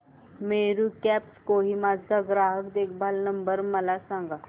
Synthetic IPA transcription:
meɾuːkɛpskoɦiːmad͡zʱd͡zaɡɾaɦəkd̪ek̚ʰbʱalnəmbəɾməlasãŋɡa

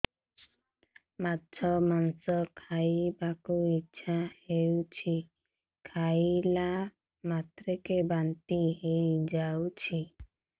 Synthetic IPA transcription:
matːt͡ʃʰɔmansɔkʰajbakuitːʃʰahewt͡ʃʰi | kʰajla | mat̪ɾekebant̪iɦejd͡ʒawt͡ʃʰi

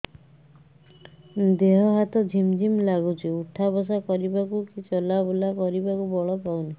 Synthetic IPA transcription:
d̪eɦɔɦat̪ɔd͡ʒʱimd͡ʒʱimlaɡut͡ʃʰiuʈʰabɔs̬akɔɾibakukit͡ʃɔlabɔlakɔɾibakubɔɭɔpawni

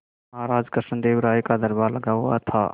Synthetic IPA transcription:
mɾad͡ʒkəɾsənd̪ebɾaikad̪əɾbaɾləɡawa̰t̪ʰa

